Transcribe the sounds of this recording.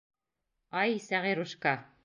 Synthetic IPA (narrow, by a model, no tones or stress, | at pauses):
ɑjsæʁiɾuʃkɑ